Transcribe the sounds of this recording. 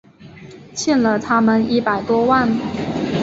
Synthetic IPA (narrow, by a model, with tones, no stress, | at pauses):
t͡ɕʰi˥˩nlə˨˩t̪ʰa˥mə˨ni˥˩pa˨˩ɪt̪wɔ˥wa˥˩n